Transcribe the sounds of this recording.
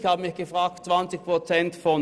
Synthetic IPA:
çhaːbəmɪçɡ̥əfʁaːk̚tt͡sv̥ant͡sɪçpʁ̥ot͡sɛntfɔn

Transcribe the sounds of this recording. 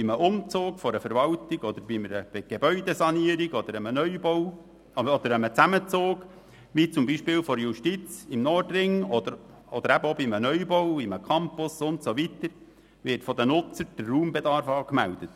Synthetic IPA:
b̥iməʔʊmt͡soːkfɔɾəfəɾʋɑltiɡ̥ɔd̪əɾbiməɾəb̥eɡ̥ebœʏd̥̪esɑniəɾiɡ̥ɔd̥̪əɾəmənœʏbɔw | ɔd̪əɾəmət͡sæmət͡soːɡ | ʋit͡sʊmbiʃpɪːlfɔɾjuʃtit͡sɪmnɔrdrɪŋɔd̥̪əɾ | ɔd̪əɾæbəɔbimənœʏbɔwiməkʰɑmpʊsʊntsoʋit̪əɾ | ʋɪtfɔd̪ənʊt͡səɾd̥ərːuːmbed̪ɑɾfɑːkmæld̥̪ət

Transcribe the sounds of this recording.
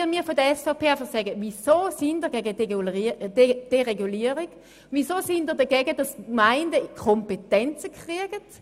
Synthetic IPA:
miːɐfodəɐɛsfapʰeːaɪfɐχsɛɡəvisoːsindəɐɡɛɡə̥ | d̥eʁeɡuliːəʁiɡ̥ | visoːsindəɐdəɡɛɡədɑsmaɪndəkʰɔmpetɛnt͡səkʁ̥iəɡ̥ət

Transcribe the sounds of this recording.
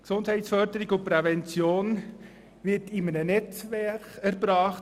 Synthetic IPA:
ksʊndhɛɪtsfœɾdəɾɪɡʊpɾɛvɛnt͡sjoːn | ʋɪtɪmənənɛt͡sʋɛkæɾbɾɑːχ

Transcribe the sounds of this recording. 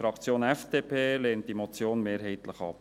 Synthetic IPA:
ɾɑkt͡sjoːnɛfd̥eːpʰeːleːnt̚d̥imɔt͡sjoːnmeːɾɦɛɪt̪ləχɑ̰p̚

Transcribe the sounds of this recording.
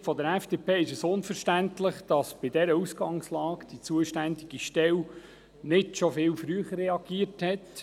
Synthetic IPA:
fɔd̪əɾɛfd̥epeːɪʃəsʊnfəɾʃtæntlɪχd̥ɑsb̥ɪdɛɾəusɡ̥ɑŋslɑːkd̥it͡suəʃtænd̪iɡ̥iʃtɛw | nɪtʃɔfɪːlfɾyəχərːɛɑɡiəɾthɛt̪

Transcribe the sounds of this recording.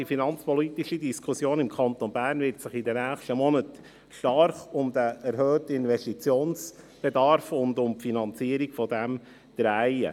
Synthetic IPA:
ifinɑnt͡spɔlit̪iʃidiskʰusjoːnɪmkʰɑnt̪ɔnbæːrnʋɪɾtsɪχɪdənæːχʃtəmɔnət | ʃtɑrχʊmd̥̪əʔɛɾɦœːtəɪnʋɛstit͡sjoːns | b̥ɛdɑɾfʊndʊmpfinɑnt͡siəɾiɡfɔdɛm | d̥̪ɾæɪə̰

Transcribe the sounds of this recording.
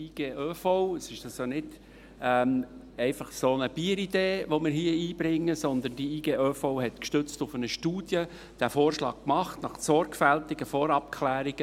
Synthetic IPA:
iːɡ̥eːʔøːfoʊəsɪʃɑsonɪd̥ | ɛm | ɛɪfɑχsonəb̥iːəɾid̥̪eːʋomɪːɾɦiəiːbɾɪŋːəsɔnd̪ənd̥iiːɡ̥eːʔøfoʊhɛt̪kʃtʏt͡stʊfənəʃtuːd̥jə | d̥æfoːrʃlɑ̰ːk̚kmɑχtnɑχsɔɾkfæltɪɡ̥əfoːɾɑp̚kʰχlæːɾiɡ̥ə

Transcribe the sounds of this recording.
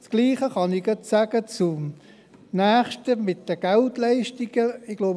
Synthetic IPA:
sɡ̥liːχəχɑnɪɡɛtsæɡ̥ət͡sʊm | næːχʃtəmɪt̚d̥əɡ̥ɛltlɛɪʃtɪɡ̥əɪɡ̥lob

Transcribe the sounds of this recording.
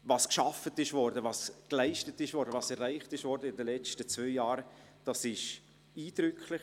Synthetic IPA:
vɑːskʃɑfətɪʃvɔɾdəvɑːsklaɪʃtətɪʃvɔɾdəvɑːsɛɾːaɪχtɪʃvɔɾdəɪndəlɛt͡stət͡svøɪjɑːɾə | d̥ɑsɪʃ | iːdɾʏkʰlɪ

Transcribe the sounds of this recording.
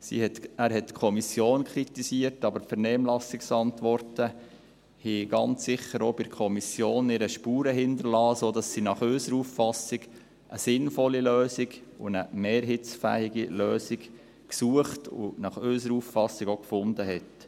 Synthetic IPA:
sḭhɛtæːɾɦɛtːkʰɔmisjoːnkʰɾitisiːərtɑbəɾfəɾnɛːmlɑsɪksɑntʋɔrtə | hiɡ̥ɑnt͡ssɪχəɾobɪɾkʰχɔmisjoːnɪɾəʃpuːɾəɦɪndəɾlɑːsoːdɑsːinɑχøːsəɾuːfːɑsɪɡ | ʔəsɪnfɔlːiløːsɪɡʊ̰nəmeːɾɦɪt͡sfæ̰ːɪɡiløːsiɡ | ksuəχtʊ̰nɑχøsəɾuːfːɑsːɪɡokfʊndəɦɛt

